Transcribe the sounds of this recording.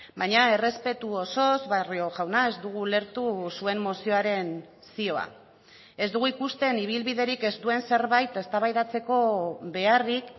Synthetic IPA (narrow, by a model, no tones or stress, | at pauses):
bajɲae̞re̞spe̞t̪uoso̞zβario̞ʝawnaezd̪uɣule̞ɾt̪usue̞mmo̞sio̞aɾe̞n | sio̞a̰ | e̞zd̪uɣ̞uikust̪e̞niβ̞ilβiðe̞ɾike̞zd̪ue̞nse̞ɾβajt̪e̞st̪aβajðat͡se̞ko̞βe̞arik